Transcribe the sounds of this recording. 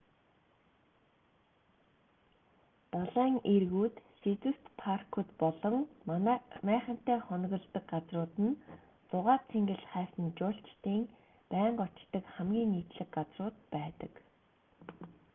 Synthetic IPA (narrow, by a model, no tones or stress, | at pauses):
pɔɮæːŋerɣuːt̪set͡s̪ust̪pʰarkʰut̪pɔɮɞ̆ŋmnmæːχə̆n̥t̪æːχɔnɣɞ̆ɮt̪ə̆kɢat͡srʊːt̪ɘ̆n | t͡sʊʁaːt͡sʰeŋɡɘ̆ɮχæːsə̆nt͡ɕʊːɬt͡ɕt̪iːŋ | pæːɴɢɔt͡ɕt̪ːə̆kχæmɡʲiːŋːiːt̪ɮɘ̆kɢat͡srʊːt̪̚pæːt̪ə̆k